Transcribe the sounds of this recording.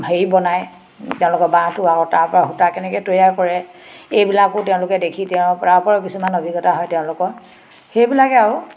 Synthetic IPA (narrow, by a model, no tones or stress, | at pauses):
ejbɔnaj | tɛʊ̃lʊkɔbãtʊakɔtaɹpɔɹaɦutakɛnɛkɛtojakɔɹɛejbilakʊtɛʊ̃lʊkɛdekʰitɛʊ̃pɔɹapɔɹɔkisumanobʱiɡɔtaɦɔjtɛʊ̃lʊkɔ | xejbilakɛaɹʊ